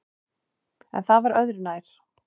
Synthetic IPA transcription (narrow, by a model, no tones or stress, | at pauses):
ɛ̰nθaðvaɾœðɾʏnaːjɾ̥